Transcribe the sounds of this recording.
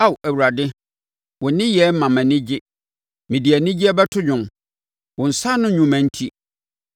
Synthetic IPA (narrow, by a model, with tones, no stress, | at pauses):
a˦˨wæ˨wu˨ɾa˨dɪ˦ | wʊ̃˨nɪ̃˦jɛ˦m̩˦mã˨mæ̃˨nɪ̃˦d͡ʑɪ˦ | mɪ̃˨di˨æ˨nɪ̃˦d͡ʑi˦ɛ˦bɛ˦tʰʊ˦ɲᶣʊ̃˨m | wʊ̃˨n̩˨sa˦nʊ̃˦ɲũ˨mæ̃˨n̩˦tʰi˦